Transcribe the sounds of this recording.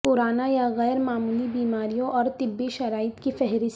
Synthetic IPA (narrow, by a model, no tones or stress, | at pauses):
pʊɾaːnajaɣɛːɾmaːmuːlibiːmaːɾijõʔɔːɾt̪ɪbːiʃɐɾaːɪt̪kifɛɦɾɪs